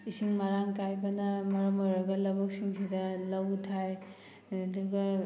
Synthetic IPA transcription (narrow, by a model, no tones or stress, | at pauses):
isiŋmaɾaŋkajbɐnɐmɐɾɔmɔɾɐɡɐlɐbɐk̚siŋsidɐlɐwtʰaj | duɾɡɐ